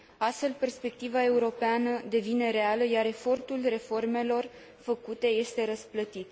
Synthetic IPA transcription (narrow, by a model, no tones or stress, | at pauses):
ast̪fe̞lpe̞rspe̞k̚t̪ivae̞uɾo̞peanəd̪e̞vine̞ɾe̞aləjaɾe̞fo̞rt̪ulre̞fo̞rme̞lo̞r | fəkut̪e̞je̞st̪e̞ɾəsplət̪it̪